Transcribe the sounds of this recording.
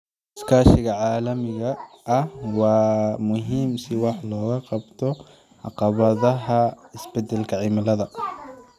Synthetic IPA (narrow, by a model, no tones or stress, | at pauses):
skʰaːʃɪɣɐʕɑːlɐmɪɣɐː | hwɑːmʊɦiːmsɪwɑħlɔːɣɐqɑbt̪ʰɔ | ʕɑqɑβɐðɐɦɐɪsbɛd̪ɛlkʰɐʕɪmɪlɐðɐ